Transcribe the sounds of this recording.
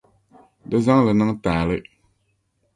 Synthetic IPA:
dɨ˦za˦ŋlɨ˨nɨ˦ŋtaː˨lɪ˦

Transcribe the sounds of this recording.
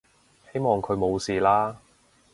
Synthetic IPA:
he˥jmɔː˨ŋkʰɵ˨˧ɥmo˨˧wsiː˨˩laː˥

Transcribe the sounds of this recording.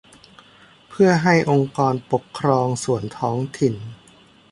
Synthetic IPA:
pʰɯ˥˩ɐɦa˥˩jʔo˧ŋkɔː˧npo˨˩kʰːɾɔː˧ŋsu˨˩ənt̪ʰɔː˦˥ŋt̪ʰi˨˩n

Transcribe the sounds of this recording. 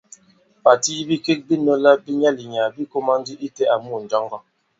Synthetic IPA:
pa˨ti˦i˦bi˦ke˦k̚bi˦nɔ˦la˦bi˦ɲa˦li˨ɲa˨bi˦ko˦ma˦ndi˦ʔi˦tɛ˦a˨mu˦˨n̩˨d͡ʒɔ˦ŋɡɔ˦

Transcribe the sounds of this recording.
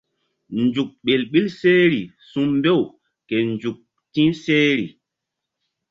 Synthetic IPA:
nd͡ʒu˨k̚ɓe˨lɓi˦lse˦ɾi˨ | sũ˦mmbe˦˨w | ke˨nd͡ʒu˨k̚ | tĩ˦nse˦ɾi˨

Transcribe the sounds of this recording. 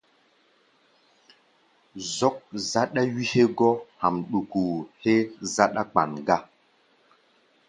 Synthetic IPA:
zɔ˦k̚za˦ɗa˦ɥi˦he˦ɡɔ˦ha˨mɗu˨ku˨he˦za˦ɗa˦k͡pa˨nɡa˦

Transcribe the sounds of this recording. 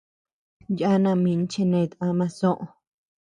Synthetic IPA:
ja˦nã˧˨mĩ˧n˦t͡ʃe˦˧nẽ˧i˧t̪ã˧mã˧sõ˦ʔõ˧

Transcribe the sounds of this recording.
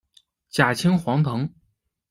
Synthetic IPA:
t͡ɕja˨˩t͡ɕʰi˥ŋxwɑ˧˥ŋt̪ʰɤ˧˥ŋ

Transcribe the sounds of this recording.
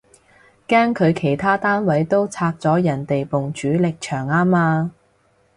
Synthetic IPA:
kaː˥ŋkʰɵ˨˧ɥkʰe˨˩jt̪ʰaː˥t̪aː˥nwɐ˨˥jt̪o˥wt͡sʰaː˧k̚t͡sɔː˨˥jɐ˨˩nt̪e˨jpʊ˨ŋt͡ʃyː˨˥lɪ˨k̚t͡ʃʰœː˨˩ŋaː˥maː˧

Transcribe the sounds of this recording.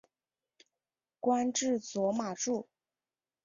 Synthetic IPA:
kwa˥nʈ͡ʂɻ̩˥˩t͡swɔ˧˥ma˨˩ʈ͡ʂu˥˩

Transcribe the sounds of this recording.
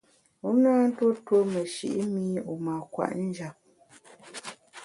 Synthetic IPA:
u˨˦naː˦n̩˦two˦two˦mɛ˨ʃḭ˨ʔi˦mi˦u˨ma˨kwa̰˨ʔn̩˦d͡ʒa˨p̚

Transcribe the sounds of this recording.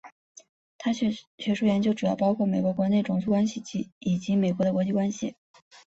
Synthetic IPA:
t̪ʰa˥ɕɥɛ˧˥ʂu˥˩jɛ˧˥nt͡ɕjo˥ʊʈ͡ʂu˨˩jɑ˥˩ʊpɑ˥ʊkʰwɔ˥˩me˨˩ɪkwɔ˧˥kwɔ˧˥ne˥˩ʈ͡ʂʊ˨˥ŋsʰu˥˧kwa˥nɕi˨˩t͡ɕi˧˥i˨˩t͡ɕi˧˥me˨˩ɪkwɔ˧˥ə˧kwɔ˧˥t͡ɕi˥˩kwa˥nɕi˨˩

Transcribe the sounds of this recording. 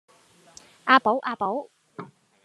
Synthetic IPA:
ʔaː˧po˨˥wʔaː˧po˨˥w

